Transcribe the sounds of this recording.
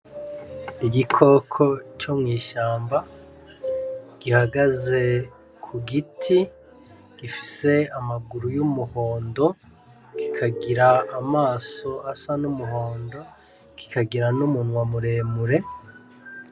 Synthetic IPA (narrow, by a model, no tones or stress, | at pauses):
iɡikʰo̞kʰo̞t͡ʃomŋiːʃaːmba | ɡ̥ihaɡaze̞ | kʰuɡitʰi | ɡ̥ifi̥se̞amaɡuɾujumuho̞ːndo̞ | ɡikʰaɡiɾaːmaːso̞ʔasanumuɦo̞ːndo̞ | ki̥kaɡiɾanumunwamuɾe̞ːmuɾe̞